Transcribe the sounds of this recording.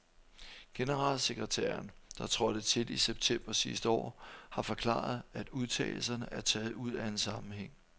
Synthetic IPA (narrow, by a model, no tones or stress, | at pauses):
ɡ̥e̝nəʁɑ̰̈lseɡ̥ʁɛt͡sʰæːɐnd̥ɑ̈t͡sʰʁɒd̥ət͡sʰe̝diseb̥̚t͡sʰem̰b̥ɐsisd̥əɒ̰ːhɑ̈fɒ̽kʰlɑ̰̈ð̞ˠæd̥uð̞ˠt͡sʰɛ̰ːɪl̩sɐnəʔæɐt͡sʰɛːð̞̩ˠuð̞̰ˠæe̝nsɑ̈mm̩heŋ̰